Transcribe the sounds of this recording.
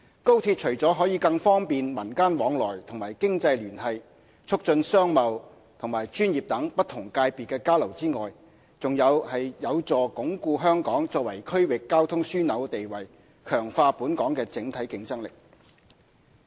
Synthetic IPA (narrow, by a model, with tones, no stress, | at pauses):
ko˥wt̪ʰiː˧t̚t͡ʃʰɵ˨˩ɥt͡sɔː˨˥ɦɔː˨˥jiː˨˧kɐ˧ŋfɔː˥ŋpiː˨nmɐ˨˩nkaː˥nwɔː˨˥ŋlɔː˨˩jt̪ʰʊ˨˩ŋmaː˨˩jkɪ˥ŋt͡sɐ˧jlyː˨˩nɦɐ˨j | t͡sʰʊ˥k̚t͡sɵ˧nsœː˥ŋmɐ˨w | t̪ʰʊ˨˩ŋmaː˨˩jt͡ʃyː˥njiː˨p̚t̪ɐ˨˥ŋpɐ˥t̪ʰʊ˨˩ŋkaː˧jpi˨˩kɛː˧kaː˥lɐ˨˩wt͡siː˥ŋɔː˨j | t͡sʊ˨ŋjɐ˨˧whɐ˨jjɐ˨˧wt͡sɔː˨kʊ˨˥ŋkuː˧ɦœː˥ŋkɔː˨˥ŋt͡sɔː˧k̚wɐ˨˩jkʰɵ˥ɥwɪ˨kːaː˥wt̪ʰʊ˥ŋsyː˥nɐ˨˧wt̪e˨jwɐ˨˩j | kʰœː˨˩ŋfaː˧puː˨˥nkɔː˨˥ŋkɛː˧t͡sɪ˨˥ŋt̪ʰɐ˨˥jkɪ˧ŋt͡sɐ˥ŋlɪ˨k̚